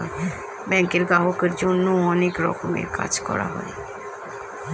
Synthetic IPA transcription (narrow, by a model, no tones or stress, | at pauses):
e | bɛŋkeɾɡaɦokeɾd͡ʑonːoɔnekɾɔ̰komḛɾka̰d͡ʑkɔ̰ɾa̰ɦɔ̰e